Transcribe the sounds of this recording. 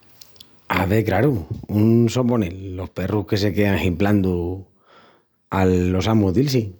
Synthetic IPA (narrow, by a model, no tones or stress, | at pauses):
a̰βe̞kɾaɾuunso̞ponelːo̞hpe̞ruhke̞s̬e̞ke̞aŋhimpland̪u | alːo̞samuðilsi